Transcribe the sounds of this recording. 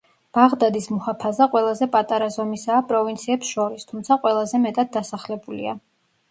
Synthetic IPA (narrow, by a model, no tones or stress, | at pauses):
b̥aʁd̪ad̪ismuhapʰazaqʼwɛlˠazɛpʼat̪ʼaɾazɔmisaːpʼɾɔvint̪sʰiɛpsʃɔɾist̪ʰumt̪sʰaqʼwɛlˠazɛmɛt̪ʼad̪̚ːasaχlɛbulḭa̰